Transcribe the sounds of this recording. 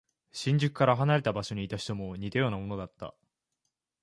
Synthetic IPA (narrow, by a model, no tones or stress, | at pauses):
ɕĩɲ̟d͡ʑɨkɯ̟̥kaɾaɦanaɾe̞t̪abaɕo̞ɲ̟iːt̪aɕi̥t̪o̞mo̞ɲ̟it̪ajoːnamo̞no̞d̪at̪ːa̰